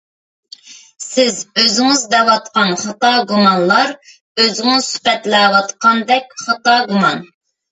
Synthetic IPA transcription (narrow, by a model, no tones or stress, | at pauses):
sɪzøzɪŋɪzd̪ɛwɑt̪qɑnχɑt̪ɑɡumɑnlˠɑɾ | øzɪŋɪzsy̥pɛt̪lɛwɑt̪qɑnd̪ɛkʲχɑt̪ɑɡumɑn